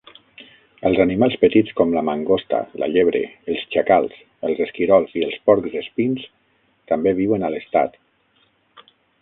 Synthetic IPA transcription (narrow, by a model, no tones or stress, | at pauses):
əlˠzanimalˠspət̪it͡skɔmləmaŋɡost̪a̰lʔə̰ʎeβ̞ɾḛəlˠzt͡ʃakalˠs | əlˠzeskiɾɔlˠziəlˠspɔɾkzespins | t̪ambeβ̞iwənaləst̪a̰t̪